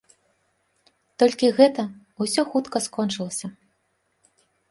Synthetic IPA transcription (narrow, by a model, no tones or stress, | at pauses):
t̪ɔlʲkʲiɣɛt̪ɐ | usʲɔxut̪kɐskɔnt͡ʂɨlˠɐsʲɐ